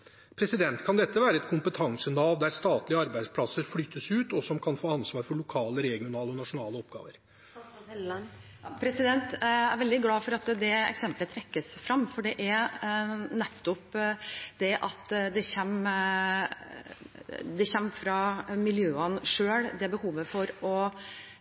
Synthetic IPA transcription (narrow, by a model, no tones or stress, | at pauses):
pʰɾɛsɪd̪ɛnt̪kʰɑnd̪ɛt̪ːəʋæːɾəɛt̪kʰʊmpət̪ʰɑŋsənɑːʋd̪æɾst̪ɑːt̪lɪəɑɾbæɪd̪spʰlɑsəɾflyːt̪ːəsʉːt̪ɔsɔmkʰɑnfoːɑnsʋɑːɾfɔɭʊkʰɑːləɾɛɡɪʊnɑːləɔnɑʂʊnɑːləɔpɡɑ̰ːʋəɾ | pʰɾɛsɪd̪ɛnt̪æɾʋɛld̪ɪɡlɑːfɔɾɑt̪d̪ɛɛ̰ksɛmplət̪ʰɾɛkːəsfɾɑmːfɔɖɛʔæɾ | nɛt̪ːʊpd̪ɛʔɑt̪d̪ɛçɛm | d̪ɛçɛmːfɾɑmɪljøːənʂøːɽd̪ɛbəhuːʋəfɔɾɔ